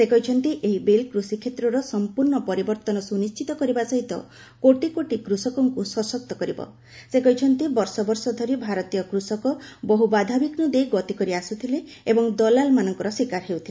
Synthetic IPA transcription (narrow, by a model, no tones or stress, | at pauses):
sekɔɦit͡ʃʰɔnt̪iʔeɦibelkɾusikʰet̪ɾɔɾɔsɔmpuɾɳɔpɔɾibɔɾt̪ɔnɔsunist͡ʃit̪ɔkɔɾibasɔɦit̪ɔ̰ | koʈikoʈikɾusɔkɔŋkusɔsɔk̚t̪ɔkɔɾibɔ̰ | sekɔɦit͡ʃʰɔnt̪ibɔɾsɔbɔɾsɔd̪ʱɔɾibʱaɾɔt̪ijɔkɾusɔkɔbɔɦubad̪ʱabiknɔd̪ejɡɔt̪ikɔɾiasut̪ʰileebɔŋd̪ɔlalmanɔŋkɔɾɔswikaɾɦewt̪ʰile